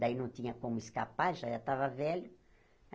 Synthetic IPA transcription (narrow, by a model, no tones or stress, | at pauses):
d̪ainɐ̃w̃t̪ĩɲɐkõmʊeskapaɾʒaʒat̪avɐvɛlʊ